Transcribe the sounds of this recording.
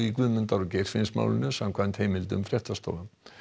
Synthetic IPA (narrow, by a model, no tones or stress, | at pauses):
ikvʏðmʏnt̪aɾʏcejr̥fɪnsma̰wlɪ̰nʏsamkʰvant̪heːjmɪlt̪ʏmfɾjɛht̪ast̪o̰wlam